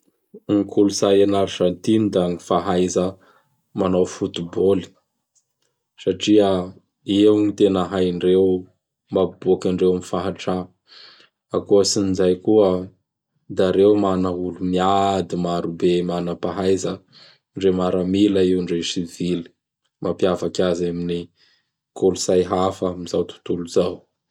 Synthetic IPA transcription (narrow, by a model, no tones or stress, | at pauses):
ŋikʰulusajanaɾiʈ͡ʂant̪inid̪aŋifaɦajzə | manawfut̪iboli̥ | saʈ͡ʂiə | ewŋit̪enəɦajɳɖ͡ʐew | mabukaɳɖ͡ʐewmifaɦaʈ͡ʂa | akuəsinizajkuə | d̪aɾewmanəulumiad̪imaɾubemanəpaɦajzə | ɳɖ͡ʐemaɾamiləiwɳɖ͡ʐesivili̥ | mapiavakazamini | kʰolusajɦafəmizawt̪u̥t̪uluzaw